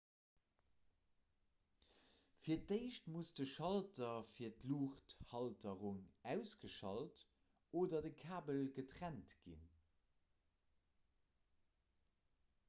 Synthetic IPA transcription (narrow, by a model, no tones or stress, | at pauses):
fiːɐt̚deɪʃtmusdəʃɑltɐfiːɐtluːχthɑltəʁuŋæʊsɡ̥əʃɑlt | ʔoːdɐdəkʰaːbəlɡətʁæntɡ̥ḭn